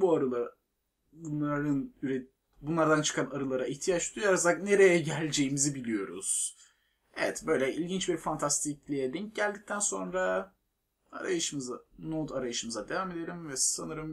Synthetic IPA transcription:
buaɾɯlˠa | bunˠaɾɯnyɾe | bunlˠaɾd̪ant͡ʃʰɯ̥kʰanaɾɯlˠaɾaiçt̪ʰijat͡ʃd̪ujaɾazakne̞ɾejɛɟælʲd͡ʒe̞jimizibilʲijo̞ɾṵz̥ | evɛt̪bø̞jlʲɛʔilʲɟint͡ʃbiɾfant̪ʰast̪ʰic̚lʲijɛd̪ɛɲ̚ɟælʲd̪ic̚t̪ʰænso̞nɾa | aɾajɯʃɯmɯzanod̪aɾajɯʃɯmɯzad̪e̞vaːme̞d̪e̞ɾimvɛsanɯɾɯm

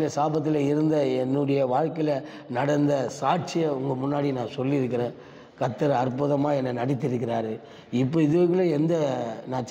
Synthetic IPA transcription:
lɐsaːbɐt̪̬ːɪlɐɪɾɯnd̪ɐɛnːʊɽɐjɐʋaːɻkɐɪlɐ | nɐɽɐnd̪ɐsaːʈ̚t͡ʃɪjɐʊŋɡɐmʊnːaːɽinãːsɔlːɪɪɾɯk̬ːɪɾẽː | kɐt̪ːɐɾɐɾpʊðɐmaːɛnːɐnɐɽɪt̪̬ːɪɾɯkːɪɾaːɾɯ | ɪpːoːɪðɯʋɐɣɯloɛnd̪ɐnãːt͡ʃ

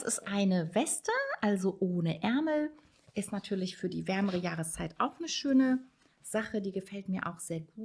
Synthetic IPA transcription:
sɪ̰stʔaɪnəvɛstəʔalzoʔoːnəʔɛɐml̩ | ʔɪstnatʰyːɐlɪçfyːɐdiːvɛɐməʁəjaːʁəst͡saɪtʔaʊxnəʃøːnə | z̥aχədiːɡəfɛltmiːɐʔaʊxz̥eːɐɡuː

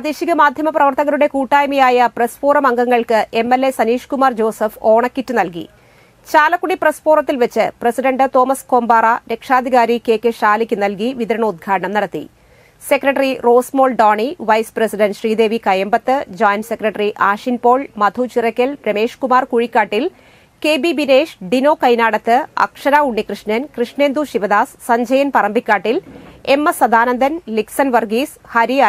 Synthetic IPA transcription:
ɐd̪iːɕiɣɐmaːd̪ʱjɐmɐprɐʋɐrt̪ɐɣɐɾuɽe̞kuːʈːaːjmijaːjɐprespuːrɐmɐŋɡɐŋːɐɭkɨʔe̞mːelːe̞sɐniːʂkumaːrd͡ʑo̞ːsɐfo̞ːɳɐkːitːɨnɐlkḭ | t͡ɕaːlɐkːuɳiprɐspuːrɐt̪ːilʋet͡ɕːɨprɐsiɖɐɳɖɨt̪o̞ːmɐsko̞ːmbaːrɐɾe̞kʂaːd̪ʱiɣaːɾikʲːeːkʲːɨɕaːlikʲːɨnːɐlk̬iʋiðɐɾɐɳɐud̪̚ɡʰʱaːɖɐɳɐmnɐɽɐt̪ːḭ | sekrɐʈːɐriro̞ːsmo̞ːlɖoːɳiʋɐjsprɐsiɖɐnɖɕriːd̪e̞ːʋikɐjɐmbɐt̪ːɨd͡ʑaːjnsekrɐʈːɐriʔaːʂinpo̞ːɭmɐd̪ʱut͡ɕirɐkʲːɐlɾɐme̞ːʂkumaːrkuɻikʲːaːʈːil | keːbibineːʂɖino̞ːkɐjnaːɽɐt̪ːɨɐ̰kʂɐɾaːuɳːikrɨʂnɐnkrɨʂɳeːnd̪uɕiʋɐd̪aːssɐɲd͡ʑɐjɐnpɐrɐmbʱikʲːaːʈːilemːɐsɐd̪aːnɐnd̪ʱɐnliksɐnʋɐrɡiːs | hɐɾija

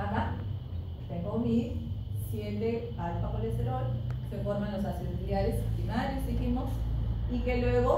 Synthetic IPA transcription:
aɣa | t̪eŋɡomi | sjend̪ebalfaxoleseɾolsefoɾmãnlosasend̪jaɾespinaɾesd̪iximosikelweɣo

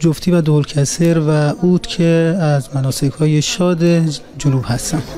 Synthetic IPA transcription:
d͡ʒoft̪ʰiːvæd̪olcʰæseɾvæʔuːt̪cʰeæzmænɒːsekʰhɒːjeʃɒːd̪e | d͡ʒolubhæst̪æn̥

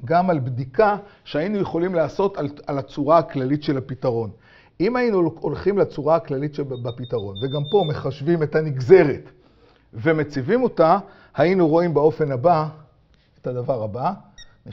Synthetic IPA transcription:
ɡamalbdika | ʃeainuje̞χo̞limlaːso̞talalat͡suʁaːklalitʃe̞lapitaʁo̞n | imajinuolχimlat͡suʁaaklalitʃebapitaʁo̞nve̞ɡampo̞me̞χaʃvime̞thaniɡze̞ʁet | ve̞met͡sivimo̞ta | hainuʁo̞imbeo̞fe̞naba | etad̪avaʁabani

